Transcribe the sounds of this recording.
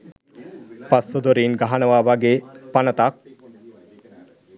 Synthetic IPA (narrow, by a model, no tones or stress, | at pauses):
pasːod̪oɾiːnɡaɦanəʋaːʋaɡeːpanət̪ak̚